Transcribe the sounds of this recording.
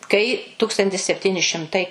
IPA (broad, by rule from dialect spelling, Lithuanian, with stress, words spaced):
kɐɪ ˈtʊkstɐnʲtʲɪs sʲɛpʲˈtʲɪnʲɪ ʃʲɪmˈtɐɪ